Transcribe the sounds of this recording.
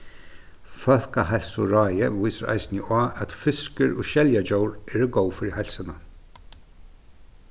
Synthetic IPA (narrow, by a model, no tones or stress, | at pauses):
fœl̥kaɦɛlsʊɾɑːjɪvujsaɾʔa̰jsnɪaːʔæt̪fɪskɪɾʊ̰ʃɛljad͡ʒowɾɛɾəɡowfɪɾɪɦajlsana